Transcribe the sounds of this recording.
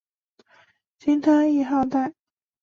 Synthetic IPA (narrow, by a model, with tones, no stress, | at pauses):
t͡ɕi˥ŋt̪ʰa˥i˥˧xɑ˥˧ʊt̪a˥˩ɪ